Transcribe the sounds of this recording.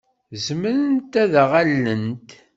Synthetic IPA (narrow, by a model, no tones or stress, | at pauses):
zəməɾənt̪æðʁalːənt̪